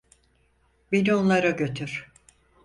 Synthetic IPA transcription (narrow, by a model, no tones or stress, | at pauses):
binio̞nlˠaɾaɟø̞t̪ʰyɾ̥